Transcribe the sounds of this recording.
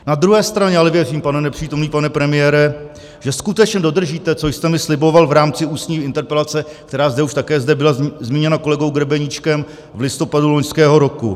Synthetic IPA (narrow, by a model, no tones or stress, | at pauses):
nad̪ɾuɦɛːst̪ɾaɲɛalɛvjɛr̝iːmpanɛnɛpr̥iːt̪omniːpanɛpɾɛmɪjɛːɾɛ | ʒ̥ɛskut̪ɛt͡ʃɲɛdo̞dr̩ʒiːt̪ɛt͡so̞jst̪ɛmɪslɪbo̞valvɾaːmt͡sɪuːsɲiːɪnt̪ɛɾpɛlat͡sɛk̚t̪ɛɾaːzdɛuʃt̪akɛːzdɛbɪlazmiːɲɛnako̞lɛɡo̞wɡɾɛbɛɲit͡ʃkɛm | vlɪst̪o̞padulo̞ɲskɛːɦo̞ɾo̞kṵ